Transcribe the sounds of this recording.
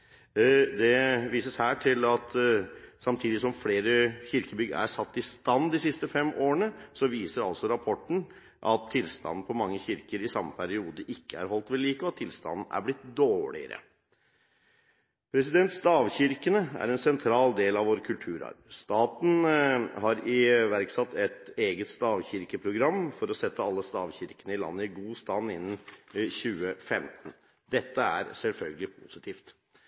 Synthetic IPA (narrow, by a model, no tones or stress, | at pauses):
d̪ɛʋiːsəshæːʈʰɪlɑt̪sɑmt̪ʰiːd̪ɪsɔmfleːɾəçɪɾkəbʏɡə̰æ̰ʂɑt̪ːɪst̪ɑnd̪ɪsɪst̪əfɛmːoːəɳəsɔʋiːsəɾɑ̰lsɔɾɑpʰɔʈːɳ̩ | ʔɑt̪ʰːɪlst̪ɑ̰nn̩pʰɔmɑŋːəçɪɾkəɾɪsɑmːəpʰæɾɪuːd̪əʔɪkːəæ̰ɾɦɔlt̪ʋɛliːkəɔɑt̪ʰːɪlst̪ɑ̰nn̩æ̰ɾblɪt̪̚d̪oːɭɪ̰ə̰ɾə̰ | pʰɾɛsɪd̪ɛnt̪st̪ɑːʋçɪɾkənəæ̰ɾɛnsɛnt̪ʰɾɑːld̪eːlɑʋʋoːɾkʰʉlt̪ʰʉːɾɑ̰ɾst̪ɑːt̪n̩hɑɾɪʋæɾksɑt̪ːɛt̪eːɡət̪st̪ɑːʋçɪɾkəpʰɾʊɡɾɑmːfɔɾɔsɛt̪ːəɑlːəst̪ɑːʋçɪɾkənəɪlɑ̰nːəɪɡuːst̪ɑnːɪnːnçʉːəfɛmt̪n̩ | d̪ɛt̪ːəæ̰ɾsɛlfœlɡəlɪpʰʊsɪt̪ʰiːft̪